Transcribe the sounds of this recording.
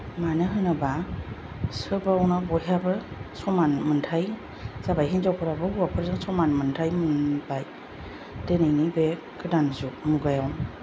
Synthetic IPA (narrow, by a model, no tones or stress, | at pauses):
manɯɦɯnɯba | sɯbawnabɔɦabɯsɔmanmɯntʰaj | z̥abajɦinzawpʰɯɾabɯɦuwapʰɯɾzɯŋsɔmanmɯntʰajmɯnbaj | denɯjnibe | kʰɯdanzumuɡajawn